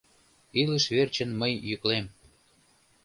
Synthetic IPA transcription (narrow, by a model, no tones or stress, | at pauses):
iləʃβert͡ɕənməjjyklem